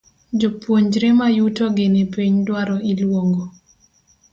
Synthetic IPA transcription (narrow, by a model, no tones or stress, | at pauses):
d͡ʒopwoɲd͡ʒɾemajutoɡɪnepeɲdwaɾɔilwoŋɡo